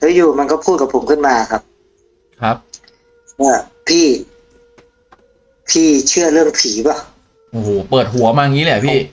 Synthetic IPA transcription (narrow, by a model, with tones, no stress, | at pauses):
tɯː˦˥˦juː˧˩ma˧nkɔː˥˩pʰuː˥˩t̪̚ka˧˩pʰo˩˦mkʰɯ˥˩nmaː˧kʰa˦˥p̚ | kʰɾa˦˥p̚ | ʔɔː˧˩ | pʰiː˥˩ | pʰiː˥˩t͡ɕʰɯ˥˩ɐlɯ˥˩əŋpʰiː˨˩˦bɔ˧˩ | ʔoː˨˩hoː˨˩pɤː˨˩t̪̚ɦu˩˦ɐmaː˧ŋiː˦˥lɛ˨˧˩pʰiː˥˩